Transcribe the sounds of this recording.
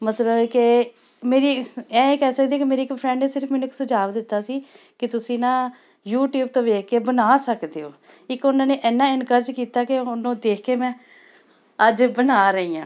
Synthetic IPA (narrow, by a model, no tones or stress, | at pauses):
mət̪ləbke | meːɾiːɛ̃ːeːkɛːsək̚d̪eaːkemeːɾiːɪkpʰɾɛ̃ːɳɖneːsɪɾpʰmɛːnũɪksəd͡ʒaːʋd̪ɪt̪ːaːsiː | kɪt̪ʊsĩːnãː | juːʈjuːbt̪õːʋeːkʰkeːbənaːsəkd̪eːɦoː | ɪkʊnãːneːʔɛːnːãːɪnkəɾd͡ʒkiːt̪aːkeʊnõːd̪eːkʰkeːmɛ̃ː | əd͡ʒbənaːɾəiːãː